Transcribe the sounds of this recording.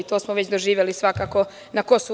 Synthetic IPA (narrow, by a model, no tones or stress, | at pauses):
it̪o̞ːsmoʋet͡ɕd̪oʒiːʋjelisʋakaːko̞ | nakosu